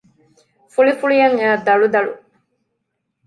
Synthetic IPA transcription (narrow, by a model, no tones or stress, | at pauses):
fuɭifuɭijɐŋeːd̪ɐɭud̪ɐɭṵ